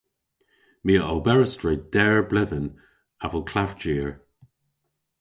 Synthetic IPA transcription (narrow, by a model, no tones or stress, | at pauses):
miːəʔɔlbɛɹəstɹed̥ɛɹblɪðən | avəlkʰl̥avd͡ʒiːɹ